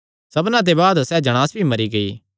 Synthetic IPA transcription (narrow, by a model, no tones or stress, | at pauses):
sɐbnãt̪̬ebaːd̪sɛːd͡ʒɐɽ̃aːsbʱimɐɾiɡɐḭː